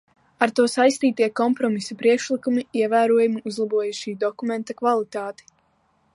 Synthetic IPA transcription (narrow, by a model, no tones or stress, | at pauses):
aɾt̪uɔsajst̪iːt̪iɛkɔmpɾɔmisapɾiɛkʃlikumiiɛvæːɾuɔjumiuzlˠabuɔjaʃiːd̪ɔkumɛ̃nt̪akvalˠit̪aːt̪i̥